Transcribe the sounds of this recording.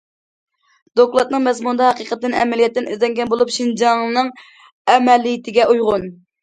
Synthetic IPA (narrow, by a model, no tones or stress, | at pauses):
d̪̥oklˠɑt̪̚nɨŋmɛzmund̪ɑɦɑqiqət̪ːɨnɛ̰mɛlijɛt̪ːɪnizlɛŋɡʲɛnbolˠupʃind͡ʒɑŋnɨŋ | ɛmɛlːijit̪ʰɪɡʲɛʔujʁʊn